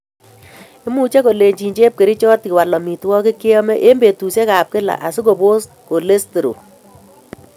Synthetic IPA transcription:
ɪ˦mu˨t͡ʃe˦ko˨le˨ɲd͡ʒi˨ɲd͡ʒe˦p̚ke˨ɾi˦t͡ʃɔ˦tkɪ˨wa˨lɔ˨mi˨twɔ˦kɪ˦kɪ˦ɔ˦mɛ˦ʔe˦mbe˨tu˨se˦ka˨p̚kɪ˦la̰˨ʔa˨sʊ˦ko˨bo˦s | ko˨le˦ste˨ɾo̰˨

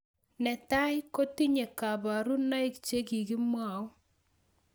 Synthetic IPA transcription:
nɛ˨ta˦ɪ˦ko˦ti˦ɲe˨ka˨ba˨ɾu˦na˦ɪ˦kt͡ʃe˦ɡi˨ɡi˦mwa˨ʊ˦

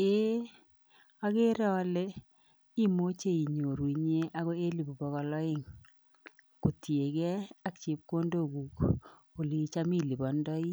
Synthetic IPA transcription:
e˦ | a˦kɪ˦ɾɔ˦lɪ˦ | i˦mo˦t͡ʃe˦˨i˨ɲo˨ɾwi˨ɲe˦ʔa˦kɔ˦e˦li˨bu˨bɔ˨˦kɔ˨lɔ˦ɪ˦ŋ | ko˨tje˨kɛ˦a˦kt͡ʃɪ˨p̚ko˦ndo˦˨ɡu˨k | o˨li˨t͡ʃa˦mi˦˨li˨bɔ˨ndɔ˦i˦

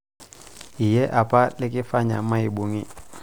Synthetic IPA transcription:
i˨jɛ˦ʔa˨pa˦lɪ˦kɪ˦fa˦ɲa̰˨ma˦i˨bu˨ŋɪ˦

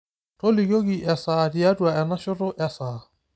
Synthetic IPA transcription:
to˦li˨ko˦ki˨ʔɛ˨sa˨di˨a˦dʼwa˨ɛ˨na˦ʃʊ˦rʊ˦ʔɛ˦saː˨

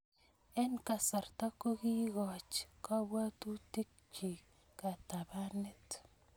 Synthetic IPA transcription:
e˦nka˨sa˨rta˦ko˦ɣi˦ɣɔ˨t͡ʃka˦βwa˦tu˦ti˦k | t͡ʃi˨ | ka˨ta˨βa˦ne˦t

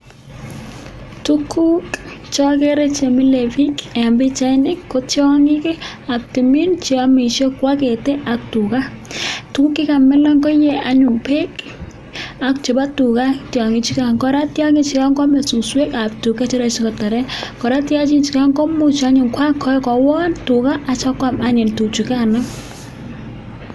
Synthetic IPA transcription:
tukʰu˦kt͡ʃɔ˦ke˦ɾe˦t͡ʃe˨mi˦le˨fi˦ka˨mbe˦t͡ʃa˦ɪ˦nɪ˦kːo˦tɔ˦ŋɪ˦ke˦ | a˨k̚ti˨mi˦nt͡ʃi˦a˦mi˨ʃɔ˦kwa˦ke˨te˦ʔa˨k̚tu˨ka˦tu˦ku˦kːɪ˦ka˨mɛ˦lɔ˦ŋkɔ˦je˦a˨ɲʊ˨ŋpe˦k | a˨k̚t͡ʃe˨ba˦tu˨ka˦tjɔ˨ŋi˨˦t͡ʃi˦ka˦ŋkɔ˨ɾa˦tja˦ŋi˦t͡ʃi˨ka˦ŋɡɔ˦mɛ˨su˨swe˦ka˨p̚tu˨ka˦t͡ʃe˦ɾa˦˨t͡ʃi˦kɔ˨ta˨ɾɛ˦kɔ˨ɾa˦tja˦t͡ʃi˦nt͡ʃi˨ka˦ŋɡɔ˦mu˦t͡ʃa˦ɲʊ˨ŋkwa˦kʰɔ˦kɔ˨wɔ˦ntu˨ka˦ʔa˨t͡ʃa˦kwa˨ma˦ɲe˨ntu˨t͡ʃi˨ka˦na˦

